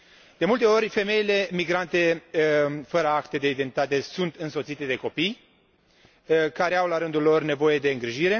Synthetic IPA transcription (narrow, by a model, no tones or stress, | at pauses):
d̪̥e̞mult̪e̞o̞ɾʲfe̞me̞ile̞miɡɾant̪e̞ | fəɾəakt̪e̞d̪e̞id̪ent̪it̪at̪e̞sunt̪ɨnsosit̪e̞d̪e̞ko̞pij | kaɾe̞awlaɾɨnd̪ulːo̞rne̞vo̞je̞d̪e̞ɨŋɡɾiʒiɾe̞